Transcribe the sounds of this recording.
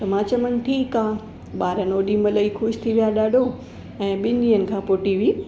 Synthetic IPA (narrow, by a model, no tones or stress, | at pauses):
t̪ɐmãːt͡ɕɐmən̆ʈʰiːkaː | ɓaːɾənoːɗimɐləixʊʃt̪ʰiʋijaɗaːɖʱo | ɛ̃ːɓɪ̃nɗĩːənɪ̆kʰãːpoːʈiʋiː